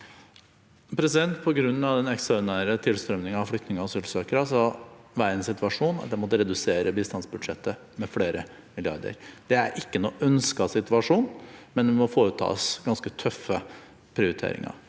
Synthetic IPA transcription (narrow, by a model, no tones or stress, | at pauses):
pʰɾɛsɪd̪ɛnt̪pʰɔɡɾʉnːɑʋd̪ɛnɛksɑnæːɾət̪ʰɪlst̪ɾœmnɪŋɑʋflʏkt̪nɪŋəɔsʉlsøːkəɾəsɑʋæːɾəɛnsɪt̪ʋɑʂuːnɑ̰t̪̚d̪ɛmɔt̪əɾɛd̪ʉseːɾəbiːst̪ɑnsbʉd̪ʂɛt̪ʰːə | mɛfɽeːɾə | mɪlɪɑ̰ɾd̪ə̰ɾd̪̥ɛæɾʔɪkːənoːʔœnskɑsɪt̪ʋɑʂuːnmɛnd̪ɛmɔfoːɾət̪ʰɑ̰ːsɡɑnskət̪ʰœfːə | pʰɾɪʊɾɪt̪ʰḛːɾɪ̰ŋɑ̰ɾ